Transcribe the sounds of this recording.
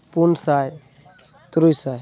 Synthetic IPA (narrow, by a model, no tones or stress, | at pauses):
punsaj | t̪ɾujsaj